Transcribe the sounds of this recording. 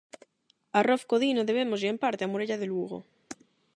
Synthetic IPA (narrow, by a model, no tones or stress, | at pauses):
arofkoðinoðeβ̞emoziempaɾt̪eamoɾeʎaðeluɣo̰